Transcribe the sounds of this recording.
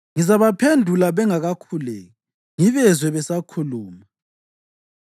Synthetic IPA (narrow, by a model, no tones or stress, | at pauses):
ŋizaβapʰendʱulaβɛŋaɣakʰulɛ̰ːɣɔ | ŋiβɛzwɛβɛsakʰuluːma